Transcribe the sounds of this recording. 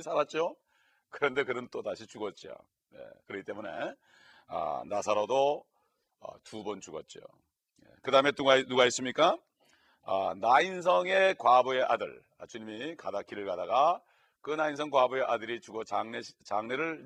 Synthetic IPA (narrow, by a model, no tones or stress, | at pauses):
sʰaɾat̚t͡ɕ͈io | kɯɾʌnde̞kɯnɯnt͈otaɕʰit͡ɕuɡʌt̚t͡ɕ͈ijo̰ | ne̞̰kɯɾʌkit͈emune̞̰ | a̰nasʰaɾodo | ʌ̰tubʌnt͡ɕuɡʌ̰t̚t͡ɕ͈io̰ | jḛkɯdaɦɯme̞tuɡanuɡais͈ɯmɲik͈a | ʌ̰nains̬ʰʌŋe̞kwaboe̞ʔadɯ̰ɭ | a̰t͡ɕuɲimikadakʰiɾɯɭkadaɡa | kɯnains̬ʰʌŋkwaboe̞ʔadɯɾit͡ɕuɡʌt͡ɕaŋnet͡ɕaŋneɾɯɭ